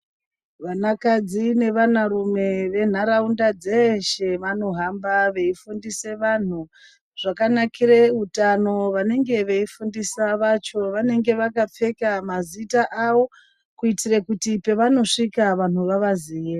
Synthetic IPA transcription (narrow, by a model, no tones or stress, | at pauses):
ʋanakad͡zine̞ʋanaɾume̞ʋe̞n̤aɾaundad͡zeʃe̞ʋano̞ɦambaʋe̞ifundise̞ʋan̤u | ʐ̥akanakireutano̞ʋane̞ŋɡe̞ʋe̞ifundisaʋat͡ʃo̞ʋane̞ŋɡe̞ʋakap͡fe̞kamazitaʔawo̞ | kuitirekutipe̞ʋano̞ʂikaʋan̤uʋaʋaziːe